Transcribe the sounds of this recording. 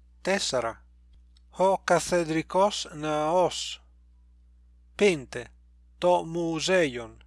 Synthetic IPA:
t̪ɛsaɾa̰ | hɔkaθed̪ɾikɔsnaɔs | pent̪e | t̪ɔmuzɛjon

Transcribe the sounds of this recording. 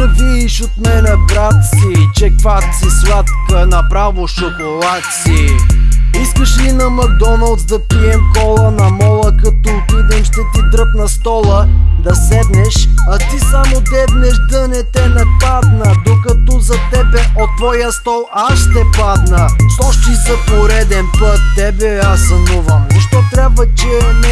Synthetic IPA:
ɐviːʃot̪mɛnɛbɾat̪sit͡ʃɛkfat̪sisvʲat̪kənɐpɾavoʃokolˠat̪si | iskəʃlinɐmɐd̪ɔnɐlˠt̪sd̪ɐpiɛmkɔlˠənɐmɔlˠəkɐt̪ɔːt̪id̪ɛmʃt̪ɛt̪id̪ɾɤpnɐst̪ɔlˠəd̪ɐsɛd̪nɛʃɐt̪isamod̪ɛvnɛʒd̪ənɛt̪ɛnɐpad̪nəd̪okɐt̪ɔzɐt̪ɛbɛʔot̪ːvɔjəst̪ɔlˠaʃʃt̪ɛpad̪nəʃt̪ɔʃt̪isəpoɾɛd̪ɛnpɤt̪ːɛbɛasːɐnuvəmzɐʃt̪ɔt̪ɾʲabvət͡ʃɛnɛ

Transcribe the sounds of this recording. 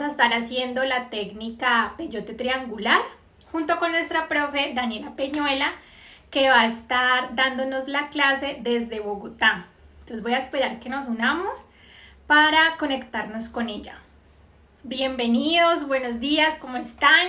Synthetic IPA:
saest̪aɾasje̞nd̪o̞lat̪e̞ɡnikape̞d͡ʒo̞t̪et̪ɾiaŋɡulaɾ | xunt̪o̞ko̞nːwest̪ɾapɾo̞fe̞d̪anje̞lapeɲwe̞la | ke̞βaest̪aɾd̪and̪o̞no̞zlaklase̞d̪e̞zd̪e̞βo̞ɣot̪ant̪osezbojaespe̞ɾaɾke̞no̞sunamo̞s | paɾako̞ne̞kt̪aɾno̞sko̞ne̞ʝa | bje̞mbe̞niðo̞zbwe̞no̞zd̪iasko̞moest̪an

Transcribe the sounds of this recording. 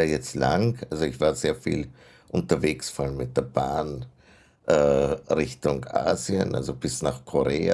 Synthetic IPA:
aːjɛt͡stla̰ŋʔalzoɪçv̥aːɐzeːɐfḭːl | ʔʊntɐveːksfɔalmɪt̚d̥eːɐb̥aːn | ʔɛʁɪçtʊŋʔa̰ːziə̰nʔa̰lzob̥ɪsnaːχkʰoʁeːa

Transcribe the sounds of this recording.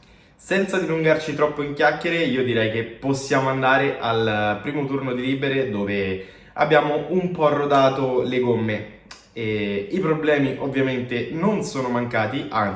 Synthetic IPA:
sɛnt̪sad̪iluŋɡart͡ʃit̪ɾɔpːoiŋk̟jakːeɾeiːod̪iɾɛjk̟epːosːjaːmoand̪aːɾeʔalpɾiːmot̪urnod̪iliːbeɾed̪oːve | a̰bːjaːmoʔumpɔrːod̪aːt̪oleɡomːe | eipɾoblɛːmiʔovːjament̪enonsoːnomaŋkaːt̪iʔan

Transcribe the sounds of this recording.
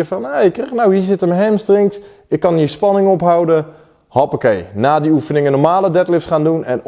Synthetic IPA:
fɔnekərnawɦisɪtəməɦɛmstrɪŋs | ɪkːɑnispɑnɪŋɔpɦawdə | hɑpokḛjnaːdiufənɪŋənɔmaːlədɛtlɪfsχaːndunɛn

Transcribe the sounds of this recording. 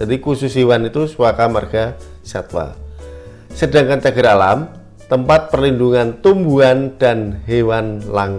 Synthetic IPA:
adikususiwanit̪usuwakamarɡ̥asat̪wa̰ | sədaŋkant͡ʃaɡəɾalam | t̪əmpat̪̚pərlinduŋant̪umbuand̥anɦewanlaŋ

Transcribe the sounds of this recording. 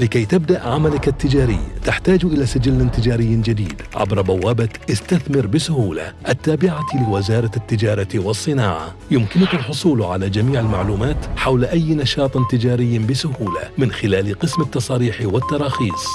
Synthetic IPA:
lɪkajt̪abd̪aʔʕamalɪkat̪ːɪd͡ʒaːɾɪ̰jːt̪aħt̪aːd͡ʒʔɪlaːsɪd͡ʒɪlːt̪ɪd͡ʒaːɾɪjːnd͡ʒad̪iːd̪ʕa̰bɾˤɑbawːaːbaʔɪst̪aθmɪɾbɪsʊhuːla̰ʔat̪ːaːbɪʕalɪwɪzɑːɾˤɑt̪ːɪd͡ʒɑːɾˤɑwɑsˤːɨnaːʕa̰ | jʊmkɪnʊkalħʊsˤuːlʕalaːd͡ʒamiːʕalmaʕluːmaːt̪ħawlʔajːnɑʃɑːt̪ˤnt̪ɪd͡ʒaːɾɪjːbɪsʊɦuːla̰mɪnxɪlaːlqɨsmɪt̪ːɑsˤɑːɾiːħwɪt̪ːɑɾˤɑːxiːsˤ

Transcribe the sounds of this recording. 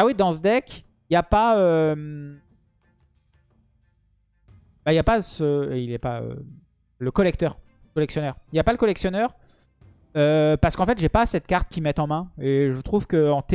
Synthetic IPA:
awid̪ɑ̃səd̪ɛkʲ | japaøm | baijapasəeilɛpa̰ø̰ | ləkɔlɛk̚t̪œːʁ | kɔlɛksjɔnœʁijapaləkɔlɛksjɔnœʁ | øpaʁsə̥kɑ̃fɛt̪ʒepasɛt̪̚kaʁt̪kʲimɛt̪ɑ̃mɛ̃eʒət̪χuv̥kəɑ̃t̪e

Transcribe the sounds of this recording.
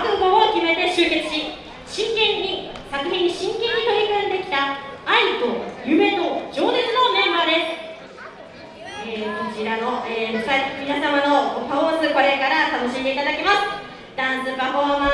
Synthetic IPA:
kɯkookʲime̞t̪e̞ɕɨːke̞t͡sɨ̥ɕi | ɕĩŋkẽ̞ɲ̟ːi | sakɯ̟çʲĩɲ̟ːiɕĩŋkẽ̞ɲ̟ːit̪o̞ɾʲikɯ̃nd̪e̞kʲi̥t̪aait̪ojɯ̟me̞t̪od͡ʑo̞ːne̞t͡sɨno̞nẽ̞mad̪e̞sɨ̥ | eːko̞t͡ɕiɾano̞eːmosamʲinasamano̞opaosɨko̞ɾe̞kaɾat̪ano̞ɕĩnd̪e̞it̪ad̪akʲimasɨ̥ | d̪̥ãnsɨbaɦoama

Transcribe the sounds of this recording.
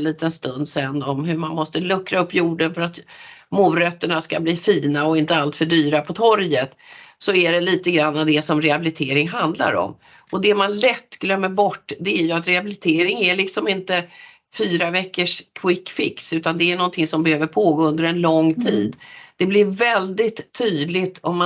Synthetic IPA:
nliːt̪ənst̪ɵnd̪sɛnːɔmɦɵɾmanmɔst̪əlɵkːɾaɵpːjuːɖənfœɾat̪muːɾœt̪ːəɳaska̰bliːfiːnaɔɪnt̪əalt̪fœɖyːɾapʰɔt̪ʰɔɾjət̪sɔæɖɛliːt̪əɡɾanːad̪ɛsɔmɾɛabɪlɪt̪ʰeːɾɪŋɦand̪la̰ɾɔ̰m | ʔɔd̪ɛmanlɛt̪ːɡlœmːəɾbɔʈːd̪ɛæɾjɵat̪ɾɛabɪlɪt̪ʰeːɾɪŋæɭɪksɔmɪnt̪ə | fyːɾavɛkːəʂkʰwɪkːfɪ̰ksʉ̟ːt̪and̪ɛæɳɔnt̪ʰɪŋsɔmbɛhøːvəɾpʰoːɡoːɵnd̪əɾɛnlɔŋːt̪ʰḭːd̪d̪̥ɛblɪɾvɛld̪ɪt̪ʰːyːd̪lɪt̪ʰɔmː

